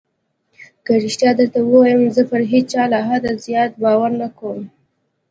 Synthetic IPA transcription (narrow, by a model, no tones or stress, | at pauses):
kaɾiʃt̪jɑd̪əɾt̪awəwajəmzəpəɾɦet͡ʃɑlaɦad̪azjɑt̪̚bɑwaɾnakawəm